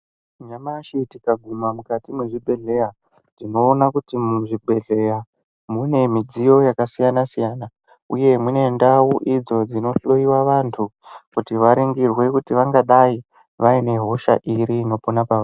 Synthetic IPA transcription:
ɲamaʃitikaɡʱumamukatimwe̞ʐibʱe̞ɮe̞ja | d͡z̥ino̞ːnakutimuʐibʱe̞ɮe̞ja | mune̞mid͡zijo̞jakasijanasijaːna | uje̞mune̞ndawuʔid͡zo̞d͡zino̞ɬo̞iwaʋantʰukutiʋaɾiŋɡirwe̞kutiʋaŋɡaɗai | ʋaine̞ɦo̞ʃa̰ʔiɾiːno̞ponapaʋa

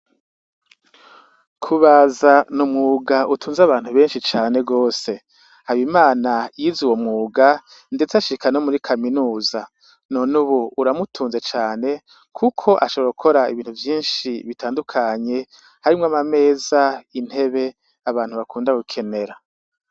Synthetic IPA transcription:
kʰuβaːzanumŋuːɡaʔutʰuːnzaβaːn̥uβe̞ːnʃit͡ʃaːne̞ɡo̞ːse̞ | hajimaːnajiziwo̞mŋuːɡa | nde̞t͡saʃikanomuɾikʰaminuːza | nonuβuuɾamutʰuːnze̞t͡ʃaːne̞ | kʰukʰo̞ʔaʃoβoukʰo̞ɾaiβiːn̥huvjiːnʃiβitʰaːndukʰaɲe̞ | haɾimŋamame̞ːzain̥he̞βe̞ | aβaːnhuβakʰuːndaɡukʰe̞ne̞ɾa

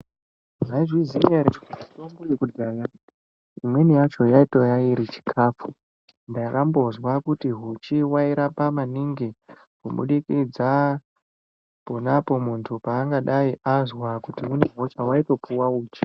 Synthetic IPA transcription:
ʐaiʐwizineɾeatombujekudana | imwenijat͡ʃo̞jaito̞jaiɾit͡ʃi̥kʰaːfu | ndairʔambo̞zwakutiɦut͡ʃiwaiɾapamaniŋɡi | kuɓṵɗikid͡za | ponapo̞muntʰupaːŋɡaɗaiʔazwakutiune̞ɦo̞t͡ʃawaito̞puwauːt͡ʃi̥

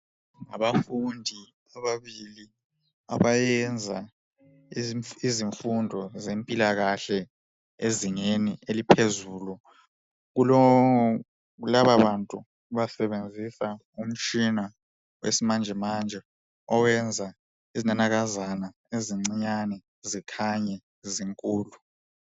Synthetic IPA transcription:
ŋa̰βafundʱi | aβaβili | a̰βajɛnd͡zʱa | iziɱfundʱɔzempʼilaɣaɬɛ | eziŋenielipʰezuːlu | ɣulɔ | ɣulaβaβantʼu | βasɛɓend͡zʱisa | um̩t͡ʃʼina | wḛsimand͡ʒʱɛmand͡ʒʱɛ | ɔwɛnd͡zʱa | izinanaɣ̬azana | eziŋ͡ǀiɲanɛ | zikʰaɲɛ | ziŋkʼuːlu

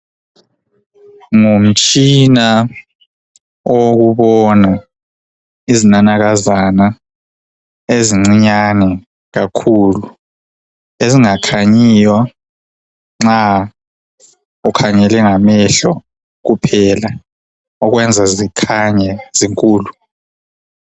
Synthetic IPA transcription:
ŋum̩t͡ʃʼina | ok̬uɓɔna | izinanaɣ̬azana | eziŋ͡ǀiɲanɛ | ɣ̬akʰulu | eziŋakʰaɲiːjwa | ŋ͡ǁa | ukʰaɲɛlɛŋamɛɬɔ | k̬upʰɛla | ɔɣwɛnd͡zʱazikʰaɲɛziŋkʼuːlu

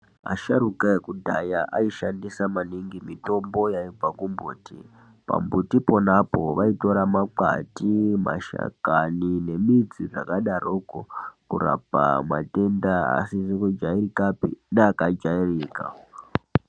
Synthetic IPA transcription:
a̰ʃaɾukajekudʱajaʔaiʃandisamaniŋɡimito̞mbo̞jaib͡vakumbṵːtḭ | pa̰mbutipo̞napo̞ʋaito̞ɾamaǃa̰tima̰ʃa̰kanine̞mid͡ziʐakaɗarokokura̰pa̰mwa̰te̞ndaa̰siʐekud͡ʒairikapḭneakad͡ʒairiːka̰

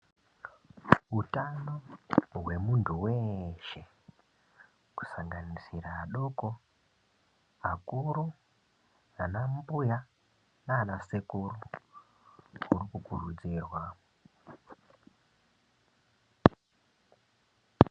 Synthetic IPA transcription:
ɦutanoɦwe̞muntʰuwe̞ʃe̞ | ku̥saŋɡanisiraːɗoko | akuɾu | anambuja | naːnasekuru | urikukurud͡ziːrwa

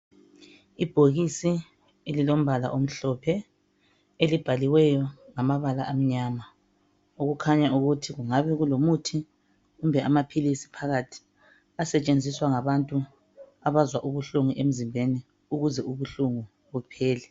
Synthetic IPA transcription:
ib̥ʱoɣisi | elilom̩βʱala̰ʔom̩ɬɔpʰɛ | elib̥ʱaliwɛjɔŋamaβalaʔam̩ɲama | uɣukʰaɲaʔuɣutʰiɣuŋaβɛɣulomutʰi | ɣumbʱɛamapʰilisi̥pʰaɣatʰi̥ | asɛt͡ʃʼend͡zʱiswaŋaβantʼu | aβazwaʔuβuɬuŋuʔem̩zimbʱeni | uɣuzɛʔuβuɬuŋu | ɣupʰɛːlɛ

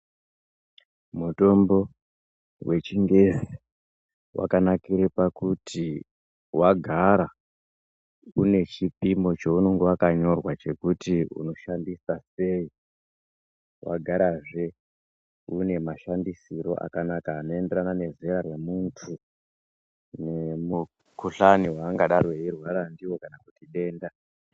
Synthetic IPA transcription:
muto̞mbo̞ | wʔe̞t͡ʃiŋɡe̞zi | wʔa̰kanakiɾepakuti | waɡʱaɾa | une̞t͡ʃipimo̞t͡ʃouno̞ŋɡe̞wakaɲo̞rwat͡ʃe̞kutiṵno̞ʃandisase̞i | wʔa̰ɡʱaɾaʐe̞ | une̞maʃandisiɾo̞̰ʔa̰kanakaːno̞e̞nde̞ɾanane̞ze̞ɾaremuntʰu | ne̞mu | kuɬaniwaːŋɡaɗarweirwaɾandiwo̞kanakutiɗe̞ːnda

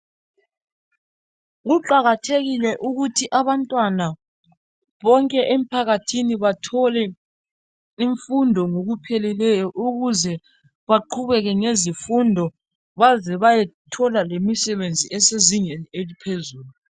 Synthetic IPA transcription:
ɣuǃaɣatʰeɣilɛʔuɣutʰiʔaβantʼwana | βɔŋkʼɛʔem̩pʰaɣatʰiniβatʰɔlɛ | iɱfundʱɔŋoɣupʰɛlɛlɛjɔʔuɣuzɛ | βaǃʰuβɛɣɛŋezifundʱɔ | βazɛβajɛtʰɔlalemisɛβend͡zʱiɛseziŋenielipʰezuːlu

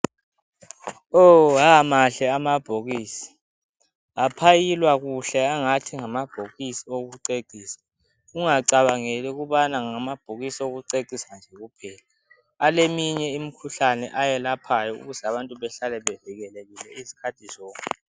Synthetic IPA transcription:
oɦamaɬɛamab̥ʱoɣiːsi̥ | apʰajilwaɣuɬɛaŋatʰiŋamab̥ʱoɣisioɣuǀeǀiːsḁ | uŋaǀaβaŋɛlɛɣuβanaŋamab̥ʱoɣisioɣuǀeǀisand͡ʒʱeɣupʰɛːla | alemiɲɛimikʰuɬanɛ̰ʔajɛlapʰajɔṵɣuzaβantʼuβɛɬalɛβɛviɣɛleɣilɛizi̥kʰatʰizɔːŋkʼɛ

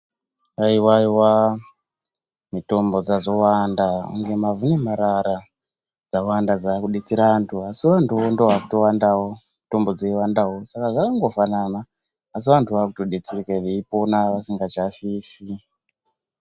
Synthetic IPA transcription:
aiwaiwa | mito̞mbo̞d͡zazo̞wandaṵŋɡe̞mavunemaɾaɾa | d͡zawandad͡zakuɗet͡siɾaantʰuasiʋantuondoʋaku̥to̞wandawo̞mito̞mbo̞d͡zeiwandawo̞sakaʐakaŋɡo̞fananaː | s̬iʋantʰuʋakutoɗet͡sirikareipo̞naʋasiŋɡat͡ʃafiːfi

